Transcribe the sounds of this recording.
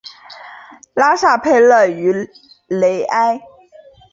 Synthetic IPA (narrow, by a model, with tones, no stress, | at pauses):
la˥ʂa˥˩pʰe˥˧ɪlə˥˩y˧˥ | le˧˥ɪʔa˥ɪ